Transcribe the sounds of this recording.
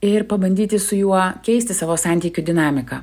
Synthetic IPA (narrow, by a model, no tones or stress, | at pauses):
ɪɾpɐbɐnʲd̪ʲiːt̪ʲɪsʊjuɔkʲɛɪsʲt̪ʲɪsɑːʋoːsɑˑnʲt̪ʲiːkʲud̪ʲɪnɑːmʲɪkɑː